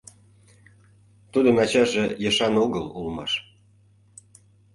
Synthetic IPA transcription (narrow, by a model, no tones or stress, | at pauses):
t̪ud̪ə̆nɑt͡ɕɑʒejə̆ʃɑnoɣəlulmɑ̰ʃ